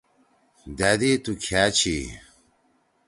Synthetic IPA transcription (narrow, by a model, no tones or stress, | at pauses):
d̪ad̪it̪ukʰaːt͡ɕʰi